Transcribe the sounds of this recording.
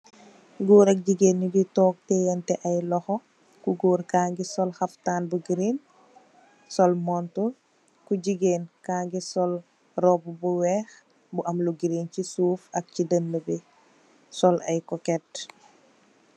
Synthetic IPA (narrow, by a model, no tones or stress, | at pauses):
ɡuːɾɐk̚ɟiɡeːnːiditɔːk̚tɛjɛntɛʔɐjlɔxɔ | kuɡuːɾkaːŋɡisɔlxɐftaːnbuɡiɾin | sɔlmɔntu | kuɟiɡeːnkaːŋɡisɔl | rɔbubuwɛːx | buʔɐmluɡiɾincisuːfɐk̚cidənːəbi | sɔlɐjkɔkɛt